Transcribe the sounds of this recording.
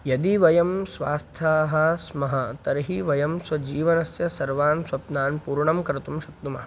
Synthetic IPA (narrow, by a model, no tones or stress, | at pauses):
jɐd̪iʋɐjɐmsʋaːst̪ʰaːɦɐsmɐɦɐt̪ɐɾɦiʋɐjɐmsʋɐd͡ʒiːʋɐnɐsjɐsɐɾʋaːnsʋɐpnaːnpuːɾɳɐmkɐɾɐt̪umʃɐtt̪umɐɦɐ